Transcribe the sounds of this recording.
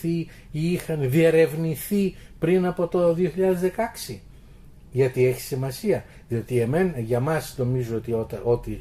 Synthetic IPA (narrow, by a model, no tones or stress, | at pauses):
θi | ixɐnðie̞ɾe̞vniθipɾinɐpo̞t̪o̞ðioçiʎɐðe̞zðe̞kɐksi | ʝɐt̪ie̞çi̥simɐsiɐ | ðio̞t̪ie̞me̞nɐʝɐmɐsno̞mizoot̪iot̪ɐo̞t̪i